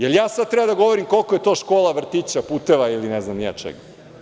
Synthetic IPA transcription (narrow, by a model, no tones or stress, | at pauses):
jeljaːsad̪t̪ɾebad̪aɡo̞ʋoɾimko̞lˠkojet̪o̞ːʃkoːlˠaʋr̩t̪it͡ɕapuːt̪eʋailineznamnja̰t͡ʃḛɡa